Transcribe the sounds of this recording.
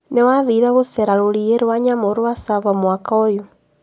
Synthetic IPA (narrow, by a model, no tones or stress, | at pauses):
newaðiðaɣosɛɾaɾoɾieɾwaɲamoɾowasaβamwakojo